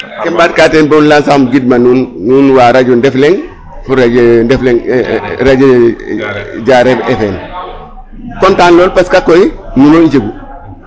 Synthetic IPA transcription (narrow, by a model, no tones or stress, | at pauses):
kimbaːt̚katenbonlansaxmɡid̚manunːunwaːɾaɟundefleŋ | fuɾad͡ʒndɛfleŋɾad͡ʒe | ɟaɾeefeːn | kɔntaːnloːlpaskakːojinunoɲd͡ʒeɡu